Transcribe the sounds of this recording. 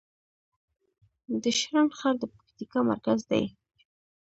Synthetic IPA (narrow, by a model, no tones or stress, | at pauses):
d̪əʃɾanxɑɾd̪əpḁkt̪ikɑma̰ɾkazd̪a̰j